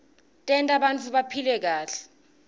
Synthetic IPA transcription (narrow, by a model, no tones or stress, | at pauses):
tʼɛntʼaɓant͡fʰuɓapʰilɛk̬aːɬɛ̥